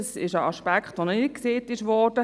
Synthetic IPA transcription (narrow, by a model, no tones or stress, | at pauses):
sɪ̰ʃəɑʃpɛkχtʋonkseːtɪʃʋɔd̥ə